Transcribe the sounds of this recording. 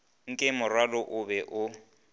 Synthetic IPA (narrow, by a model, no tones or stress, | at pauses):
ŋ̩kʼɪmʊrwalɔʔʊbɛʔʊ